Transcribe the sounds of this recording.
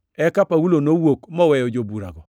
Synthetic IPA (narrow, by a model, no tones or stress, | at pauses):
ɛkapawulonowokmɔwɛjɔd͡ʒobuɾa̰ɡɔ